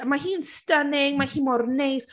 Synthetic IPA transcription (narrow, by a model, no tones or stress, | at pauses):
mahiːnstənɪŋmahiːmɔrnejs